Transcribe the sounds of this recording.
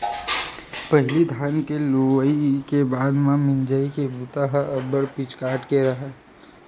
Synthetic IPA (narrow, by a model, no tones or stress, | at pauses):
pəɦɪlid̪ʱaːnkeloəikebaːd̪mãmɪnd͡ʒəikebut̪aɦəəbəɾpɪt͡ʃkaːɾʈkeɾɐɦɛ